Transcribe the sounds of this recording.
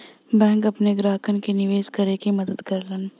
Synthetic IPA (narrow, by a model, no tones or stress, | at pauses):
bɛ̃ːŋkɐpneɡɾaːkənkenɪʋeːskɐɾekimɐd̪əd̪kɐɾlən